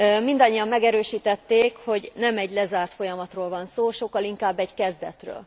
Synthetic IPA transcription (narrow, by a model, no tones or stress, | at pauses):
mind̪ɒɲːijɒmːɛɡɛɾøːʃiːt̪ɛt̪ːeːkho̞ɟnɛmɛɟlɛzaːrt̪fo̞jɒmɒt̪roːlvɒnsoːʃo̞kːɒliŋkaːbːɛɟkɛzd̪ɛ̰t̪rø̰ːl